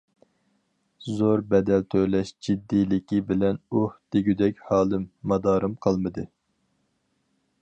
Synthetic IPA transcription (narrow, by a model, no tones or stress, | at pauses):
zoɾbɛd̪ɛlt̪ʰølɛʃd͡ʒid̪ːilɪkʲibɪlɛnuhd̪̥eɡʲyd̪ɛkʲhɑːlˠɨmːɑd̪ɑːɾɨmqʰɑlˠmɨd̪ɨ